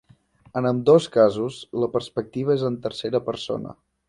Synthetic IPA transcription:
ənəmd̪oskazuzləpəɾspək̚t̪iβ̞əezənt̪əɾseɾəpəɾso̰nə̰

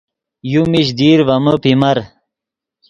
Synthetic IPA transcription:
jumiɕ̬d̪iːɾʋɐməpimɐɾ

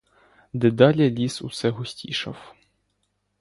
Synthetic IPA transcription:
d̪ɛd̪ɑlʲɛlʲisṵsɛɦʊsʲtʲiʃɐ̰w

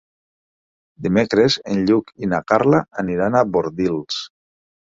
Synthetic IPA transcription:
d̪imekɾezenʎukinakaɾlaːniɾanaβoɾðils

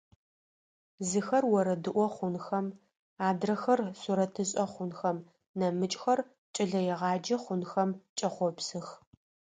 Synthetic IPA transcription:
zɨxɐrwɔɾɐdɨʔʷɔχʷʊnxɐm | aːdrɐxɐrsuɾɐtʰɨɕʼɐχʷʊnxɐm | nɐmɨt͡ʃʼxɐr | t͡ʃʼɪɮɐjɛʁɑːd͡ʒɐχʷʊnxɐmt͡ʃʼɐχʷɔpsɨx

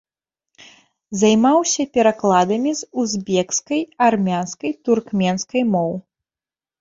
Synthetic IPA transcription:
zajmawsʲɐpʲɛɾaklˠad̪ɐmʲizuzʲbʲɛkskɐjarmʲanskɐjt̪urkmʲɛnskɐjmɔw

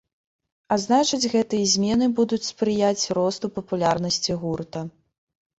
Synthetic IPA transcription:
aznat͡ʂɐd͡zʲɣɛt̪ɨjɐzʲmʲɛnɨbud̪ut͡sʲspɾɨjat͡sʲrɔst̪upɐpulʲarn̪ɐsʲt͡sʲiɣurt̪ɐ

